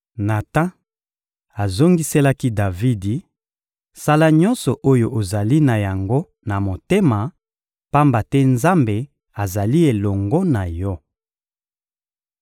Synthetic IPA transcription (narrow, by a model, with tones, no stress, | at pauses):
na˨ta˦ | a˨zo˦ŋɡi˦se˦la˦ki˦da˨vi˦di˨ | sa˦la˦ɲɔ̃˦nsɔ˨ʔo˦jo˨ʔo˨za˨li˦na˨ja˨ŋɡo˦ | na˨mo˨te˦ma˨ | pa˦mba˨tɛ˦nza˦mbe˨ | a˨za˨li˦e˨lɔ˨ŋɡɔ˦na˨jɔ˦